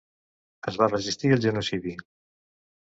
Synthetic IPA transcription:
əzβarəʒist̪iəlˠʒənusiði

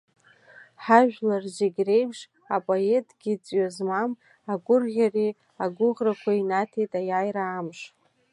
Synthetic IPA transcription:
ħaʒᶣlarzɪɡʲre̞jpʰʂ | apʼoe̞tʼɡ̥ʲit͡sʼɥazmam | aɡʷʼʊrʁʲari | aɡʷʊʁrakʷʰainatʰejtʼajajɾaːmʂ

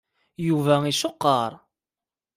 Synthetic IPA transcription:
juvæiʃoqːɑɾˤ

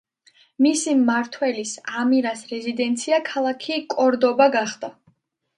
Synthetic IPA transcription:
misimːaɾt̪ʰwɛlisamiɾasɾɛzid̪ɛnt̪sʰiakʰalˠakʰikʼɔɾd̪ɔbaɡaχd̪a

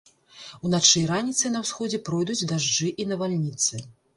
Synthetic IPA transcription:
unat͡ʂɨjɾanʲit̪sɨnɐwsxɔd͡zʲɛpɾɔjd̪ut͡sʲd̪aʐd͡ʐɨʔinɐvalʲnʲit̪sɨ

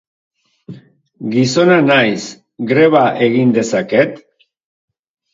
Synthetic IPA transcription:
ɡiso̞nanajs | ɡɾe̞β̞aʔe̞ɣind̪e̞sake̞t̪

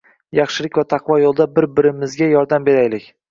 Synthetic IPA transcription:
jɑχʃɪlɪkʲvat̪ʰɑqvɒjolˠd̪abɪɾbɪɾɪmɪzɡʲajɒɾd̪ambe̞ɾajlɪkʲ

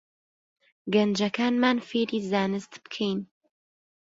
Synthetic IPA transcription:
ɡɐnd͡ʒɐkʰaːnmaːnfeːɾiːzaːnɨst̪bɨ̥kʰejn

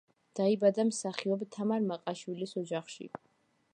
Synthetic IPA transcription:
d̪̥aibad̪amsaχiɔbt̪ʰamaɾmaqʼaʃwilisɔd͡ʒaχʃḭ

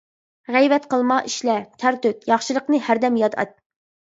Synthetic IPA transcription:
ʁɛjvɛt̪qəlˠmɑʔiʃlɛt̪ʰæɾt̪øt̪jɑχʃilˠəqnɨhæɾd̪ɛmjɑd̪ɑ̰t̪̚

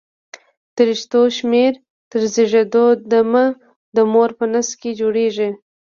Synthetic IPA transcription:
t̪əɾiʃt̪oʃmeɾ | t̪əɾziʒed̪od̪amə | d̪əmoɾpənəsked͡ʒoɽeʒi

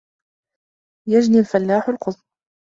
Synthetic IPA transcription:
jad͡ʒnilfalːaːħʊlqʊsˤ

